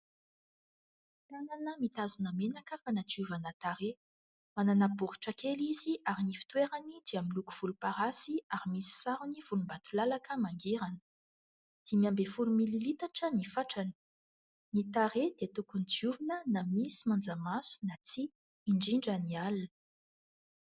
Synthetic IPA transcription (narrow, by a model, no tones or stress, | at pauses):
t̪ananəmit̪azinəmenakəfanat͡siuvanət̪aɾe | mananabuɾu̥ʈ͡ʂəkeliziʔaɾinifi̥t̪weɾanid̪eaminluku̥v̥ulupaɾasiaɾimisi̥saɾuniv̥ulumbat̪ulalakəmaŋɡeɾanə̥ | d̪̥emiambefulumililit̪aʈ͡ʂənifaʈ͡ʂanə̥ | nit̪aɾed̪̥et̪ukunit͡suvinənamisimand͡zamasu̥nat͡siː | ɳɖ͡ʐiɳɖ͡ʐanialə̥